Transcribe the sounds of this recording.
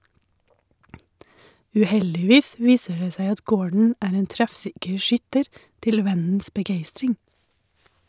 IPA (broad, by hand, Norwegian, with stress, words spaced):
ʉːˈhɛldɪˌʋiːs ˈʋiːsə ˈɖeː ˈsæɪ ˈɑt ˈɡoːɖɳ̩ ˈæːɾ ˈeːn ˈtɾɛfˌsɪkəɾ ˈʃʏtəɾ ˈtɪl ˈʋɛnn̩s bəˈɡeɪstɾɪŋ